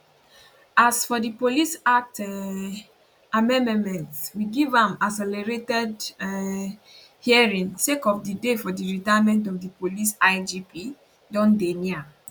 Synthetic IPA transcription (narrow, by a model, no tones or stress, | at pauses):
asfɔdipolisat | amɛ̃nɛmɛ̃ntswiɡivãmasɛlɛɹetɛd | hiaɹĩŋsekɔfdidefɔdiɹitajmɛ̃ntɔfdipolisaɪd͡ʒipʰi | dɔ̃ndenia